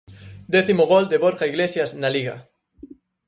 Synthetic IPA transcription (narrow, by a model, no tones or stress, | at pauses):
d̪ɛθimoɣold̪eβoɾɣaiɣlesjasnaliɣa̰